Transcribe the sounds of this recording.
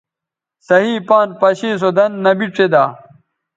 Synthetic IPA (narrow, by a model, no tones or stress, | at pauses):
sɐɦiːpaːnpɐɕiːs̬od̪ɐnːɐbiʈt͡sed̪aː